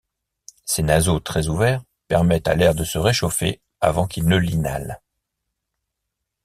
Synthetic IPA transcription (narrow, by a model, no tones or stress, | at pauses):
senazot̪χɛzuvɛʁ | pɛʁmɛt̪a̰lɛʁd̪əsəʁeʃofḛ | a̰vɑ̃kilnəlina̰l